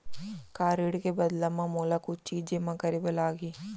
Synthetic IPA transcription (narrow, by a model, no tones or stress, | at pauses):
kaːɾiɽkebɐd̪lɐmãmuːlakut͡ʃiːd͡ʒd͡ʒɪmãkɐɾibelaːɡiː